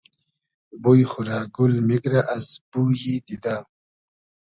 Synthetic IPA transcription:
bujxuɾaːɡulmiɡɾaʔasb̥ujid̪id̪a

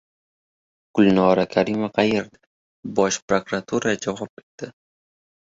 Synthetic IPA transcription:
ɡ̥ʊlˠnɒɾakʲʰaɾimaqʰɑjeɾd̪ɪ | bɒʃpɾokɾat̪ʰuɾad͡ʒavɒp̚et̪d̪ɪ

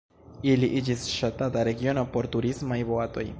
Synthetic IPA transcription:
iliʔid͡ʒisʃatataɾe̞ɡio̞no̞po̞ɾtuɾismajvo̞ato̞̰j

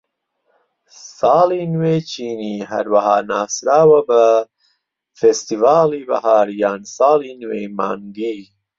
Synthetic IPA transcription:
sɑːlinweːt͡ʃiːniɦa̰ɾwaɦaːnaːsɾaːwɐbɐ | fest̪ivaːlibɐ̰hɑːɾjaːnsaːlinwema̰ːnɡ̪iː

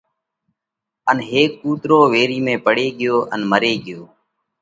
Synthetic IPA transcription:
ənɦeːkːuːt̪ɾoːʋeːɾiːmẽːpəɽeːɠɪjoːʔə̰nməɾeːɠɪjoː

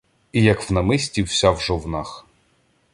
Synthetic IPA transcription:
ijɐkwnɐmɪsʲtʲiwsʲawʒɔwnɑx

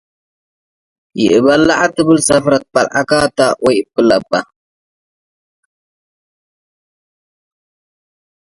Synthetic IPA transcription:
jḭʔɨbalaʔatɨbɨlsafɾat̚palʔa̰katawojpɨlapːa

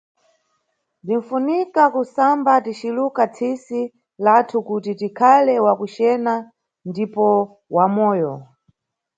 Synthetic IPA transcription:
din̩funikakusambatit͡ʃilukat͡sʰisi | latʰukutitikʰalɛwakut͡ʃɛna | ndipɔ | wamɔːjɔ

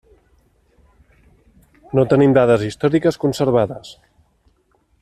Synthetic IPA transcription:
not̪ənimd̪aðəzist̪ɔɾikəskunsəɾβ̞aðəs

